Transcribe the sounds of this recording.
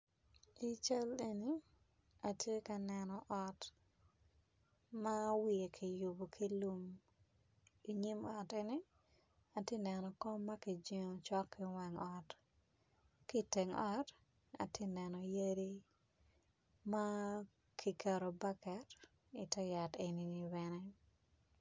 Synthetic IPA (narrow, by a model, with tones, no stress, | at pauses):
i˨t͡ʃa˦le˨ni˦ | a˨tje˦ka˨nɛ˨nɔ˨ʔɔ˦t | ma˦wi˨e˨kʰi˨ju˨bo˨kʰi˦lu˦m | i˨ɲi˦mɔ˨te˦ni˦ | a˨tje˦nɛ˨nɔ˨kɔ˦mːa˦ki˨d͡ʒi˦ŋo˨t͡ʃɔ˦kːɪ˦wɛ˨ŋɔ˨t | ki˦te˨ŋɔ˦t | a̰˨te˦nɛ˨nɔ˨je˦ɾi˦ | ma˦ | kʰi˨ka˨ɾo˨ba˦kɛ˨t | i˨tɛ˦ja˨te˨ni˨ni˦bɛnɛ˦